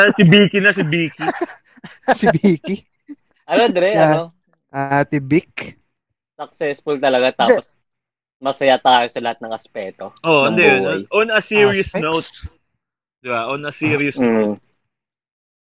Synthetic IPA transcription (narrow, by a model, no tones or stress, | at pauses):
ɐsɪbiːkɪnɐsɪbiːki | sɪbiːki | ʔɐnod̪ɾɛɐo | ʔat̪ɪbɪk | sɐk̚sɛsfʊlt̪ɐlɐɡat̪aːpos | mɐsɐjat̪aːjosɐlɐhat̪̚nɐŋɐspɛːt̪oʔoʔɐnd̪ɐjonʔoʔɔnɐsiːɹiɐsnowt̪̚ | d̪̥ɪbaʔɔnɐsiːɾiɐsnot̪̚